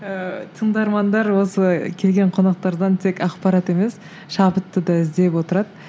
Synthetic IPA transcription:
ət̪ʰəɴd̪ɑɾmɑnd̪ɑɾwo̞səkʲʰe̞lɡʲeɴqʰo̞nɑq̚t̪ɑɾd̪ɑnt̪ʰe̞kʲʰɑqpɑɾɑt̪e̞me̞s | ʃɑpət̪ːəd̪ɑɪzd̪e̞pwo̞t̪əɾɑd̪ə

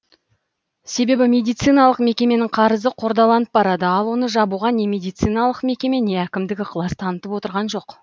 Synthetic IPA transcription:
se̞be̞bɪmʲe̞d̪ijt̪sɨjnɑlˠəqme̞kʲe̞me̞nɪŋqʰɑɾəzəqʰo̞ɾd̪ɑlˠɑnəp̚bɑɾɑd̪əɑlˠwo̞nəʒɑbuʁɑne̞mʲe̞d̪ijt̪sɨjnɑlˠəqme̞kʲe̞me̞ne̞ækʲɪmd̪ɪɡʲɪqʰlˠɑst̪ʰɑnət̪əpwo̞t̪əɾʁɑnʒo̞q

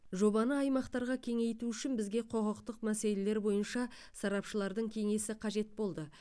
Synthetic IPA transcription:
ʒo̞bɑnəɑjmɑqt̪ɑɾʁɑkʲʰe̞ŋe̞jt̪uʏʃɪnbɪzɡʲe̞qʰo̞ʁəqt̪əqmæse̞le̞leɾbo̞jənʃɑ | sɑɾɑpʃəlˠɑɾd̪əɴkʲʰe̞ŋe̞sɪqʰɑʒe̞t̪̚bo̞lˠd̪ə

